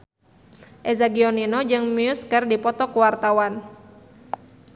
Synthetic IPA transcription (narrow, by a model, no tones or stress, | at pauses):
ʔɛzaɡiɔninɔd͡ʒɨŋmiuskərdipɔt̪ɔkuwart̪awan